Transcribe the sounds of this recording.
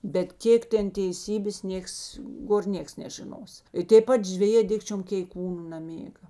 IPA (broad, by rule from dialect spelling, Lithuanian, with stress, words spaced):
bʲɛt ˈkʲeːk ˈtʲɛn tʲɛɪˈsʲiːbʲeːs ˈnʲiɛks ˈɡoːr ˈnʲiɛks nʲɛʒʲɪˈnoːs ɪ tʲeːp ˈpɐt ʒʲʋʲɛˈjeː ˈdʲɪkt͡ʃʲoːm kʲɛɪˈkuːnʊ nɐˈmʲeːɡɐ